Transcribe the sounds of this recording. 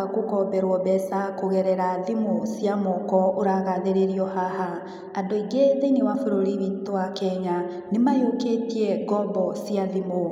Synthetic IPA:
akokɔbɛɾwɔbɛsakoɣɛɾɛɾaðimosjamokɔoɾaɣaðeɾeɾiɔhaha | andoiɡeðeinewafoɾoɾiβitoakɛɲa | nemajoketiɛɡɔbɔsjaðimo

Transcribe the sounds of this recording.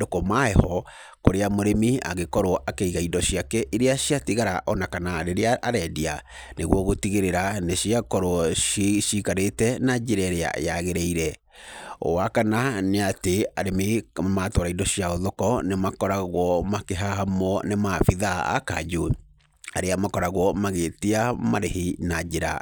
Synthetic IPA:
dokɔmaɛhɔ | koɾeamoɾemia̰ɣekɔɾoɔʔakeiɣaidɔɕiakɛʔiɾeaɕiatiɣaɾaʔɔnakanaɾeɾeaːɾɛdia | neɣwɔɣotiɣeɾeɾaneɕiakɔɾoɔʃikaɾetɛnad͡ʒiɾɛɾea̰jaɣeɾɛiɾɛ | o̰wakananeateaɾemematoɾaidɔɕijaoðɔkɔnemakɔɾaɣwɔmakeɦahamɔnemafiðaa̰ka̰d͡ʒo | a̰ɾeamakɔɾaɣwɔmaɣetiamaɾeɦinad͡ʒeɾa̰

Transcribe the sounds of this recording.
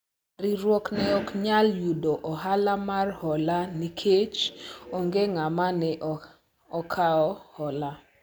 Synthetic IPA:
riɾwɔknɛɔkɲaljudoʔɔɦalamarhɔlanikʰet͡ʃoŋɡeŋamanɛʔ | ɔkʰaɔhɔla

